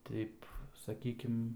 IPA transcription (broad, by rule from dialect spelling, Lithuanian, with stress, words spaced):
ˈtʲɛɪp sɐˈkʲiːkʲɪm